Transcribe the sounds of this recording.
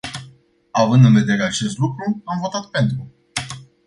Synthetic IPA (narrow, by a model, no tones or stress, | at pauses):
avɨnd̪ɨnve̞d̪e̞ɾe̞at͡ʃe̞st̪lukɾuamvo̞t̪at̪̚pe̞nt̪ɾu